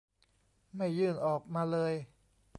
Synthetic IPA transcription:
ma˥˩jːɯː˥˩nʔɔː˨˩k̚maː˧lɤː˧j

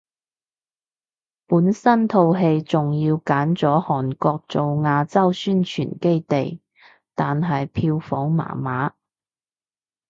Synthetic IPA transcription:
puː˨˥nsɐ˥nt̪ʰo˧wɦe˧jt͡sʊ˨ŋjiː˧wkaː˨˥nt͡sɔː˨˥hɔː˨˩nkɔː˧k̚t͡so˨wŋaː˧t͡sɐ˥wsyː˥nt͡ʃʰy̰ː˨˩nke˥jt̪e˨j | t̪aː˨nɦɐ˨jpʰiː˧wfɔː˨˥ŋma̰ː˨˩maː˨˥

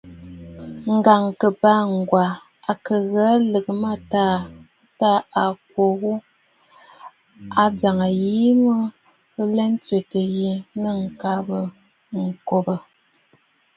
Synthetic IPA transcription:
ŋ̩˨ɡa˨ŋkə˨pa˦ŋ˨ɡwa˨ | a˨kə˨ɣa˨˦lə˨kə˨ma˦˨ta˦˨˦ | ta˦˨a˨k̚wo˨ɣu˦ | a˨d͡za˨ŋə˨ji˦mə˦ | lɛ˦n˦t͡sɥe˨tə˨ɣi˦nə˦˨ŋ̩˨ka˨˦bə˨ | ŋ̩˨ko˨bə˨

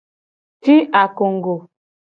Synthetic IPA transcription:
ti˦ʔa˨ko˨ŋ˨ɡo˨

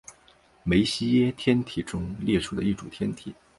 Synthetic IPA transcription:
me˧˥ɪɕi˥jɛ˥t̪ʰjɛ˥nt̪ʰi˨˩ʈ͡ʂʊ˥ŋljɛ˥˧ʈ͡ʂʰu˥˩d̪ə˦i˥˩ʈ͡ʂu˨˩t̪ʰjɛ˥nt̪ʰḭ˨˩˦

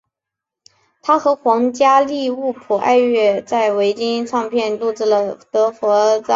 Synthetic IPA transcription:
t̪ʰa˥xɤ˧˥xwɑ˧˥ŋt͡ɕja˥li˥˧u˥˩pʰu˨˩ʔa̰˥˧ɪɥɛ˥˧t͡sa˥˩ɪwe˧˥ɪt͡ɕi˥nʈ͡ʂʰɑ˥˧ŋpʰjɛ˥˧nlu˥˧ʈ͡ʂɻ̩˥˩lə˩t̪ɤ˧˥fwɔ˧˥t͡sɑ˥˧

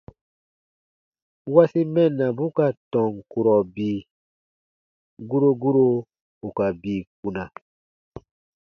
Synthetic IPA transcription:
wa˦si˦mɛ˦˨nːa˨bu˦ka˨tɔ̃˨ŋku˨ɾɔ˨biː˨ | ɡu˦ɾo˦ɡu˦ɾo˦ | u˨ka˨biː˨k̚u˨na˨

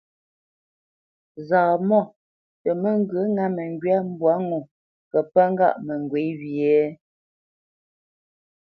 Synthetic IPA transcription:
zaː˨mɔ˦˨ | tə˨mə˦˨ŋ̩˦ɡə˨˦ŋa˦mə˨ŋ˦ɡɥa˦m̩˦bwa˨˦ŋo˨ | kə˨pa˦ŋ˦ɡa̰˦˨ʔmə˨ŋ˨ɡwe˨˦wjɛ˦

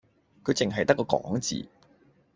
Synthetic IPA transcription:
kʰɵ˨˧t͡sɪ˨ŋɦɐ˨jt̪ɐ˥kːɔː˧kɔː˨˥ŋt͡sḭː˨˩

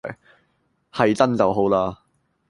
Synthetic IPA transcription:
hɐ˨jt͡sɐ˥nt͡sɐ˨wɦo˨˥wlaː˧

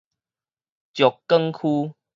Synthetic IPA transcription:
t͡ɕjɔ˨kːə˦˧ŋkʰu˦

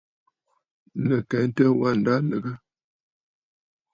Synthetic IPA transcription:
nə˨kɛ˨˦n̩˦tə˦wa˦˨n̩˨da˦lə˨ɡə˦

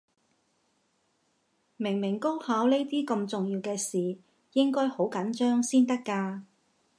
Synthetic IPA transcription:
mɪ˨˩ŋmɪ˨˩ŋko˥whaː˨˥wne˥jt̪iː˥kɐ˧mt͡sʊ˨ŋjiː˧wkɛː˧siː˨ | jɪ˥ŋkɔː˥jho˨˥wkɐ˨˥nt͡ʃœː˥ŋsiː˥nt̪ɐ˥kːaː˧

